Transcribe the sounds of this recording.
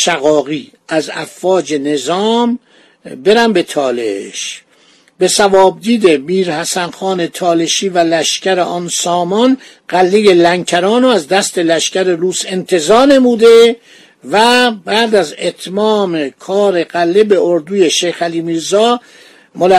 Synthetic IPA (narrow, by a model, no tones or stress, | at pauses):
ʃæɣɒːɣiː | æzæfːɒːd͡ʒe̞ne̞zɒːm | be̞ɾæmbe̞t̪ʰɒːlḛʃ | be̞sævɒːb̚d̪iːd̪emiːɾhæsænxɒːne̞t̪ʰɒːleʃiːvælæʃcæɾeʔɒːnsɒːmɒn | ɢ̥ælːe̞jelæŋcʰæɾɒːnoæzd̪æst̪e̞læʃcæɾeɾuːse̞nt̪ʰe̞zɒːɾne̞muːd̪e̞ | væbæd̪æzet̪ʰmɒːmekʰɒːɾe̞ɣælːebe̞oɾd̪uːje̞ʃejxæliːmiːɾzɒː | mol